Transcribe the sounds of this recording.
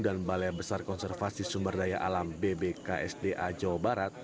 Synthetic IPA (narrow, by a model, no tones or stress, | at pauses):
danbaleabəsarkɔnsɛrfasisumbərdajaʔalambebeka̰ʔɛ̰sdeʔad͡ʒawabaɾat̪̚